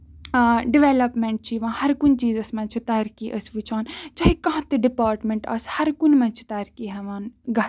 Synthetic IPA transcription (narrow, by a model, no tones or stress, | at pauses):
ɖiʋeːlɐpmẽɳʈ̚t͡ʃʰiʋãːhɐɾkunt͡ʃiːzɐsmɐ̃t͡ʃʰit̪ɐːɾkiʔəsʋit͡ʃʰaːnt͡ʃaːɦikɐɦãt̪iɖipaːɾʈmẽɳʈɐ̰shɐɾkunmɛ̃t͡ʃʰi̥t̪ɐːɾkiɦɐʋaːnɡɐ